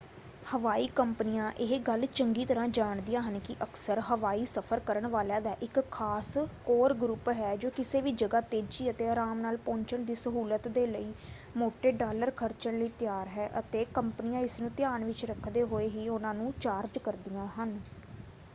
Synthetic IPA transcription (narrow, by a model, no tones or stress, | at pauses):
həʋaːiːkəmpənɪjãːʔɪɦɡəlt͡ʃəŋɡiːt̪əɾãːd͡ʒaːɳd̪ijãːɦənkɪʔəksəɾɦəʋaːiːsəpʰəɾkəɾəɳʋaːljãːd̪aːʔɪkʰːaːskoːɾɡɾupɦɛːd͡ʒoːkɪseːʋiːd͡ʒəɡaːt̪eːd͡ʒiːət̪eːəɾaːmnaːlpɔ̃ːɲt͡ʃəɳd̪iːsəɦuːlət̪d̪eːləiː | moːʈeːɖaːləɾkʰəɾt͡ʃəɳləiːt̪ɪjaːɾɦɛːʔət̪eːkəmpnɪjãːɪsnũːt̪ɪjaːnʋɪt͡ʃɾəkʰːd̪eːɦoːeːɦiːʊnãːnũːt͡ʃaːɾd͡ʒkəɾd̪ɪjãːɦən